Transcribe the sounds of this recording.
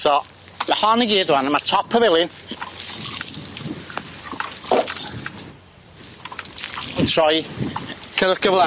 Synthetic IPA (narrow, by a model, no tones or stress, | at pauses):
sɔ | mahɔniɡiːdwanəmatʰɔpʰəvɪlˠɪn | ntʰrɔj | kʰəɾəχɡ̥əvlˠa